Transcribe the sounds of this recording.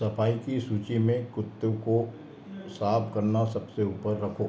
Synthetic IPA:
ɐpaːikisuːt͡ʃimẽkʊt̪ːəʋko | saːbkɐɾnasɐbseuːpəɾːɐkʰoː

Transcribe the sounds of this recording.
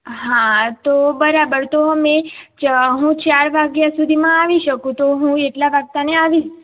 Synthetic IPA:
ɦãt̪obəɾabəɾt̪oɦəmẽt͡ʃɦũt͡ʃaɾʋaɡjasud̪ʱimãaʋiʃəkũt̪oɦũeʈlaʋaɡ̚t̪aneaʋi

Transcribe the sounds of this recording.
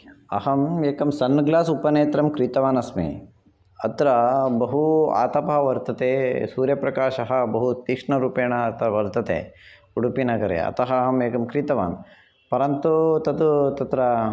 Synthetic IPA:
ɐ̰hɐmeːkɐmsɐnːɡlaːsupɐneːt̪ɾɐmkɾiːt̪ɐʋaːnɐsmḭ | ɐt̪ɾɐbɐɦua̰ːt̪ɐpɐɦɐʋɐɾt̪ɐt̪eːsuːɾjɐpɾɐkaːʃɐɦɐ̆bɐɦut̪ikʂɳɐɾuːpeːɳɐɐt̪ɐʋɐɾt̪ɐt̪ḛː | uɽupinɐɡɐɾḛɐ̰t̪ɐɦɐɦɐmeːkɐmkɾiːt̪ɐʋa̰ːn | pɐɾɐnt̪ut̪ɐt̪ut̪ɐt̪ɾɐ

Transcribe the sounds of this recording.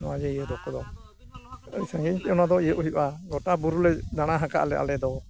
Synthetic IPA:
nɔwad͡ʒɛijɛd̪ɔkɔd̪ɔ | ə̰sãŋɡiɲt̪ɛɔnad̪ɔijəʔɔɦjuʔaɡɔʈabuɾulɛd̪aɽ̃aɦaka̰ʔlɛʔa̰lɛd̪ɔ

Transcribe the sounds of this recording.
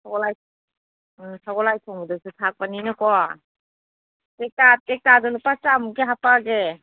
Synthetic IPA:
sʰaɡɔlaj | sʰaɡɔlajtʰɔŋbudɔsutʰak̚paninɯkɔ | tek̚tatek̚tadɔlupasamukeɦapaɡe

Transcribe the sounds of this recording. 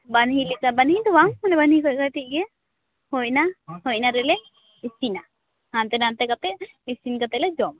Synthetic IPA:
banɦilikabanhid̪ɔwaŋmanɛbanhikɔjkaʈiʔ̚ɡɛ | hɔjnahɔjnaɾɛlɛ | isina | hant̪ɛnant̪ɛkat̪ɛ | isinkat̪ɛlɛd͡ʒɔm

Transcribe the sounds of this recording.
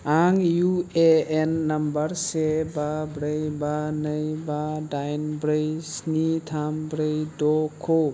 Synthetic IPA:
aŋjueenːɐmbəɾsebabɾəjbanəjbadajnbɾəjsnit̪ʰambɾəjdɔkkʰo

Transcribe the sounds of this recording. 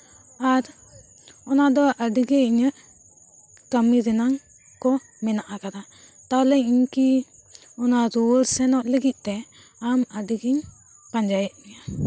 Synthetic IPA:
aɾ | ɔnad̪ɔʔəɖɡeiɲəʔ | kəmid̪ɛnaŋ | kɔ | mɛnaʔakana | t̪aɦlɛiɲki | ɔnaɾuɾsɛnɔʔləɡiʔ̪̚ˀt̪ɛ | aməɖiɡiɲ | paɲd͡ʒajət̪̚mɛja

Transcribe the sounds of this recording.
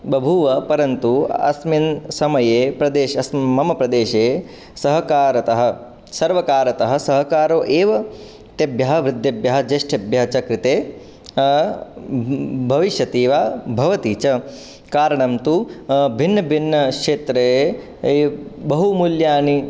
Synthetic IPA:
bɐbʱuʋɐpɐɾɐnt̪uɐ̰sminsɐmɐjeːpɾɐd̪eːʃɐsmɐmɐpɾɐd̪eːʃeː | sɐɦɐkaːɾɐt̪ɐɦɐ̆ | sɐɾʋɐkaːɾɐt̪ɐɦɐ̆sɐɦɐkaːɾoːʔeːʋɐ | t̪jɐbjɐɦɐ̆ʋɾɪd̪ʱjɐbjɐɦɐd͡ʒeʃʈʰɐbjɐɦɐt͡ʃɐkɾɪt̪eː | bʱɐʋiʃjɐt̪iːʋaːbʱɐʋɐt̪iːt͡ʃɐ | kaːɾɐɳɐmt̪ubʱinːɐbʱinːɐkʂeːt̪ɾe | bɐɦumuljaːni

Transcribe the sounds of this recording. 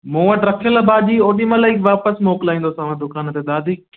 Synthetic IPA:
mõːʋəʈɾɐkʰijəlabaːd͡ʒioːɗĩmãlaːiʋaːpəsmoːklaːĩːnd̪osaːʋãːd̪ʊkaːnt̪ed̪aːd̪ʱiː

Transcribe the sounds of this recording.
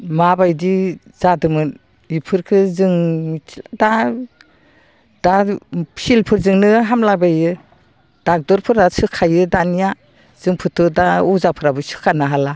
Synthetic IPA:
mabajdi | zadɯmɯn | ipʰɯɾkʰɯzɯŋida | d̥asilpʰɯɾzɯŋnɯɦamlabajɯ | d̥ak̚dɔɾpʰɯɾasɯkʰːajɯdanija | z̥ɯŋpʰɯtʰɯdauzapʰɯɾabɯsɯ̥kʰanaɦala

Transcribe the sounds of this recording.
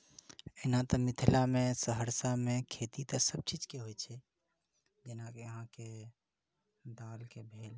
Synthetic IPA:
enat̪ɔmit̪ʰilamesəɦəɾsamekʰet̪it̪əsəb̚t͡ʃid͡ʒkeɦojt͡ʃʰɛ | d͡ʒenakeəɦãke | d̪alkebʱel

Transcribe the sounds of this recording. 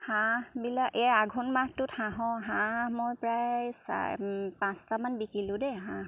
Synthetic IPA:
hãbilakɛaɡʱunmahtʊthãɦɔ̃ɦãmojpɹajsa̰pãstamanbikilʊ̃dɛɦã

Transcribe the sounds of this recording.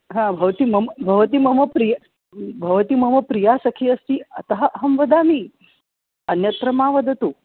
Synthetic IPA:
ɦãbʱɐʋt̪iːmɐmbʱɐʋt̪iːmɐmɐpɾij | bʱɐʋt̪iːmɐmɐpɾijasɐkʰiːɐst̪iːɐ̰t̪ɐɦɐʔɦɐmʋɐd̪aːmi | ɐnjɐt̪ɾɐmaːʋɐd̪ʱɐt̪u

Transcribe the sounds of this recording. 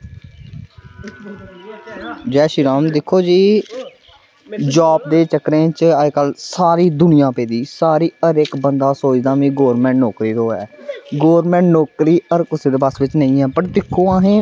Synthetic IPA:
d͡ʒɛːʃiɾaːmd̪ɪkʰːoːd͡ʒiː | d͡ʒaːp̚d̪eːt͡ʃəkɾẽːt͡ʃəkəlsaːɾiːd̪ʊnɪjãːpeːd̪iːsaːɾiːəɾɪkbənd̪aːsoːd͡ʒd̪aːʋĩːɡoːɾmɛ̃ːɳʈnoːkɾiːɾoːɛ̰ːɡoːɾmɛ̃ːɳʈnoːkɾiːəɾkʊseːd̪eːbəsʋɪt͡ʃnəĩːɦɛːpəʈd̪ɪkʰːoːaɦẽː

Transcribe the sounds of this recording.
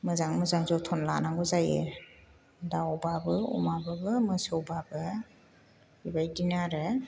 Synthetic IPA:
mɯzaŋmɯzaŋzɔtʰɔnla̰naŋɡɔzajḛ | daɔbabɯṵmabɯbɯmɯsɔwbabɯ | bibajdinaɾɯ

